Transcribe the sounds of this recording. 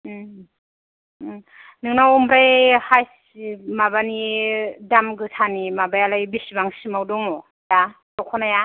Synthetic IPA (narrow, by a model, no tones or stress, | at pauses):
nɯŋnawɔmbɾajhajs | imabanidamɡɯtʰanimabajalajbisibaŋsimawdɔŋɔ | da | tɔkʰɔnaja